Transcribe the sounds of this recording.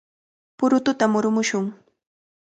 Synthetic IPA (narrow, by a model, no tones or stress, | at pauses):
pʊɾʊt̪ʊt̪amʊɾʊmʊʃʊŋ